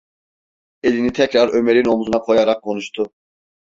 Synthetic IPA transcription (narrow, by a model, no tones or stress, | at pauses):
e̞linit̪ʰɛcɾaɾøme̞ɾino̞muzunakʰo̞jaɾak̚kʰːo̞nuʃt̪ʰu